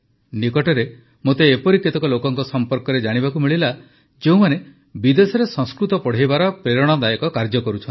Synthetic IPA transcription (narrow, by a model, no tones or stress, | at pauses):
nikɔʈɔɾe | mot̪eːpɔɾikːit̪ɔkɔlokɔŋkɔsɔmpɔɾkɔɾed͡ʒaɽ̃ibakumiɭila | d͡ʒeũmane | bid̪esɔɾesɔŋskɾut̪ɔpɔɽ̤ejbaɾɔpɾeɾɔɽ̃ɔd̪ajekɔkaɾd͡ʒɔkɔɾut͡ʃʰɔnt̪i